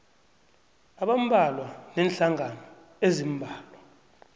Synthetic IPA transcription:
aɓam̩bʱalwanɛnɬaŋʱanɔ | ezimbʱaːla

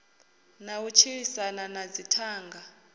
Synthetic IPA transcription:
naut͡ʃʰiɺisananad͡zitʰaːŋɡa

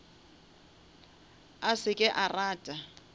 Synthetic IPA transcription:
asɪkʼɛʔaraːtʼa

